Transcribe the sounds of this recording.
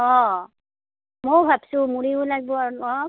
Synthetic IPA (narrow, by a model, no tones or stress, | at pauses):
ɔ̃ | mojbʱabsʊ̃muɹiʊlaɡ̚bɔaɔ